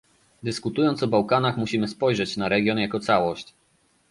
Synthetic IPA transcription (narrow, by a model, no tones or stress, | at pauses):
d̪ɘskut̪ujɔnt̪sɔbawkanaxmuɕimɘspɔjʐɛt͡ɕnaɾɛɡʲjɔnjakɔt̪sawɔɕt͡ɕ